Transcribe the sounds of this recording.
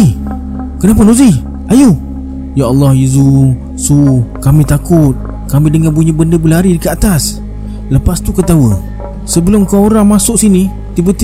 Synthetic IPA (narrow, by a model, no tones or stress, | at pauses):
kənap̬ʊnuzi | aju | jaɑlˠːɑhjizu | sukamĩt̪akʊt̪̚ | kamĩdəŋanpuɲəbəndəbəlɦaɾidəkəat̪as | ləpast̪ukət̪awə | səbəlʊmkaoɾaŋmasʊʔsini | t̪ibət̪i